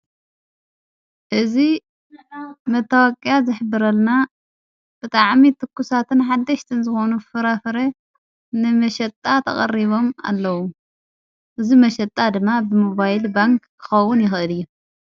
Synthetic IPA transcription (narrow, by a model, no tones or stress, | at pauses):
ʔɨzi | mɐt̪ʰːawakʼjazɨħbːɨɾɐlna | b̥ɨt̪ʼaʕmit̪ʰɨkːusat̪ʰɨnħad̪ːɐʃt̪ʰɨnzɨxo̞nufɨɾafɨɾe | nɨmɐʃɐt̪ʼːat̪ʰɐ̰χʼɐ̰riβo̞ma̰lːɐwu | ʔɨzimɐʃɐt̪ʼːad̪ɨmːabɨmoβajlbaŋkkʰːɨ̥xɐwːʊnjɪxʔɨlɨjːu